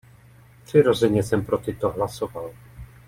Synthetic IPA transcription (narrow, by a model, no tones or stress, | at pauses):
pr̝̥ɪɾo̞zɛɲɛsɛmpɾot̪ɪt̪oɦlaso̞val